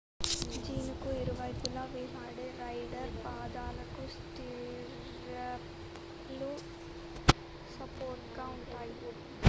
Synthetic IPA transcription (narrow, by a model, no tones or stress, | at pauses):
d͡ʒiːnukuiɾuʋɐjpulaːʋeːsaːɽeɾɐjɖɐɾpaːd̪aːlɐkusʈiɾ | ɐp | lu | sɐpoːɾʈɡaːuɳʈaːju